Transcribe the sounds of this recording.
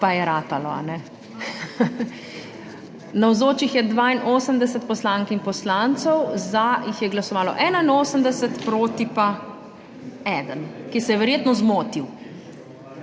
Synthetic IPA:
pajɛɾaːt̪alɔa̰nɛ | nawzoːt͡ʃixjɛd̪ʋaːinoːsəmd̪ɛsət̪̚pɔslaːŋkinpɔslant̪sɔwzajixjɛɡlasɔʋaːlɔ̰ʔɛːnainoːsəmd̪ɛsət̪pɾoːt̪ipa | ɛd̪ənkisɛjɛʋɛɾjeːt̪nɔzmoːt̪iw

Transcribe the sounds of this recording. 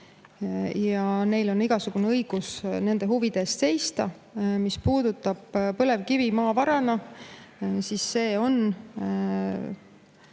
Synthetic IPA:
jɑne̞jlo̞niɡ̥ɑsuɡ̥uneɤjɡ̥usne̞nd̪e̞ɦuvid̪̥e̞ːst̪se̞jst̪ɑ̰ | mispuːd̪̥ut̪ːˑɑb̥pɤle̞vkivimɑːvɑɾɑnɑ | sisːe̞ːo̞n

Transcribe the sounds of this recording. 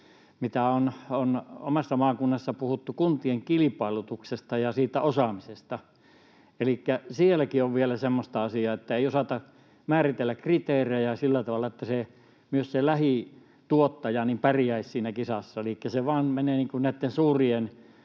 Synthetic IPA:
mit̪æonono̰mɑsːɑmɑːkunːɑsːɑpuhut̪ːukunt̪ieŋkilipɑˑilut̪uksest̪ɑjɑsiːt̪ːæʔosɑmisest̪ɑ | elikːæsielækioʋʋielæsemːost̪ɑɑsiɑːet̪ːæeiosɑt̪ɑ | mæːrit̪elːækkrit̪eːreejæsilːæt̪ɑʋɑˑlːˑɑet̪ːæse | myøsselæhi | t̪uot̪ːɑjɑnimpærijæissiːnækisɑsːɑelikːæseʋɑːnmeneːniːŋkunnæˑit̪ːensuːrien

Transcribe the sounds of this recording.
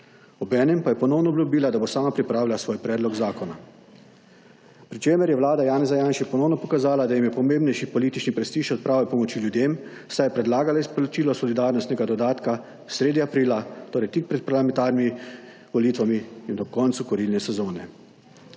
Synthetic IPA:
ɔbɛːnɛmpajɛpɔnɔwnɔːbljubiːlad̪abosaːmapɾipɾaːwlʲasʋoːjpɾɛːd̪lɔɡzaːkɔna | pɾit͡ʃeːmɛɾjɛʋlaːd̪ajaːnɛzajaːnʃɛpɔnɔːwnɔpɔkazaːlad̪ajimjɛpɔmeːmbnɛjʃipɔliːt̪it͡ʃnipɾɛst̪iːʃɔt̪̚pɾaːʋɛpɔmɔt͡ʃiːljud̪eːm | sajɛpɾɛd̪laːɡalaispɔlɔt͡ʃiːlɔsɔlid̪aːɾnɔst̪nɛɡad̪ɔd̪aːt̪ka | sɾeːd̪jiapɾiːlat̪oːɾɛjt̪ik̚pɾɛt̪̚paɾlamɛ̃nt̪aːɾnimi | ʋɔliːt̪ʋamiːnd̪ɔkɔnt̪sukɔɾilnɛsɛzoːnɛ̰

